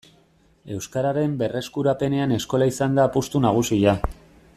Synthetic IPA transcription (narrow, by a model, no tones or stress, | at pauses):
e̞wskaɾaɾe̞mbe̞re̞skuɾape̞ne̞ane̞sko̞laisand̪apust̪unaɣ̞usiʎa